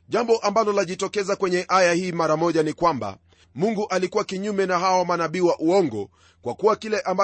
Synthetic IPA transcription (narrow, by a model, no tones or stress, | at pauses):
ʄambɔʔambalɔlaʄitɔkɛzakwɛɲɛʔajahiːmaɾamɔʄanikwamba̰ | muŋɡuʔalikuwakiɲumɛnaɦawɔmanaɓiːwaʔuɔŋɡɔ̰ | kwakuwakilɛʔamba